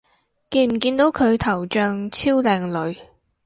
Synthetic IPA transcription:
ke˧m̩˨˩kiː˧nt̪o˨˥wkʰɵ˨˧ɥt̪ʰɐ˨˩wt͡ʃœː˧ŋt͡sʰiː˥wlɛː˨˧ŋlɵ˨˧ɥ

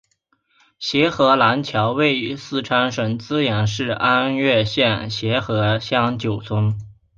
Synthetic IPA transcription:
ɕjɛ˧˥xɤ˧˥la˧˥nt͡ɕʰjɑ˧˥ʊwe˥˩ɪy˧˥sɹ̩˥˩ʈ͡ʂʰa˥nʂə˧˥nt͡sɹ̩˥jɛ˧˥nʂɻ̩˥˩a˥nɥɛ˥˧ɕjɛ˥˩nɕjɛ˧˥xɤ˧˥ɕjɑ˥˩ŋt͡ɕjo˨˩ʊt͡sʰwə˥ŋ

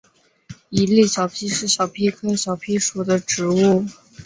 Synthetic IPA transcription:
i˧˥li˥˩ɕjɑ˨˩ʊpʰi˥ʂɻ̩˥˩ɕjɑ˨˩ʊpʰi˥kʰɤ˥ɕjɑ˨˩ʊpʰi˥ʂu˨˩d̪ə˦ʈ͡ʂɻ̩˧˥u˥˩

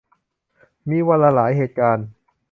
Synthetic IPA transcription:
miː˧wa˧laː˧laː˩˦jɦeː˨˩t̪̚kaː˧n

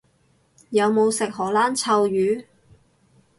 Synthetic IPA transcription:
jɐ˨˧wmo˨˧wsɪ˨k̚ɦɔː˨˩laː˥nt͡sʰɐ˧wjyː˨˥

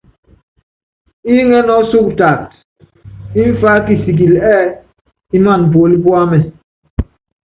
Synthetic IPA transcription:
i˦ŋɛ˦nɔ˦su˦k̚ta˨t | i˦ɱ̩˦fa˦ki˨si˨k̬i˨lɛ˦ | i˦nwa˦˨n̩˨p̬o˨li˦pwa˦mɛ˨

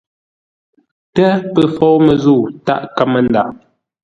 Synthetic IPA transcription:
tɛ˦pə˦fɔ˦wmə˨zu˦˨ta̰˦ʔka˦mə˨nda̰˨

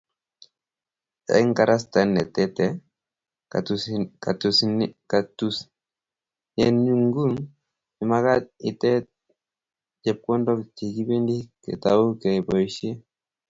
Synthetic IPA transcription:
ɛ̰˦ŋka˨ɾʔa˦sta˨nːɛ˨tɛ˦tɛ˦ | ka˨tu˨snka˨tu˦s | jɛnɲu˦ŋɡu˦ŋ | i˨ma˦ka˦t̚ɪ˨tɛ˦t̚ | d͡ʒɛ˨p̚kɔ˦ndɔ˦kti˨ki˦be˦ndi˦kɛ̰˨tau˦kɛ˨bɔ˨ʃe˦

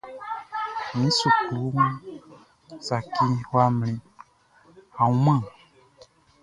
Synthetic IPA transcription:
mĩ˨˦su˨klu˨˦ŋũ˦ | sa˨ki˦hwa˦m˨lĩ˦ | a˨u˦mã˦˨

